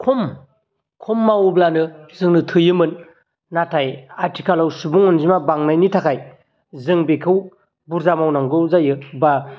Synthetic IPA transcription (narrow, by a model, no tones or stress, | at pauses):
kʰum | kʰumːawblanɯzɯŋnɯtʰɯjɯmɯnː | atʰajaɾtʰikʰalawsubuŋɯnzimabaŋnajnitʰakʰaj | zɯŋbekʰɯw | buɾzamawnaŋɡɯzajɯba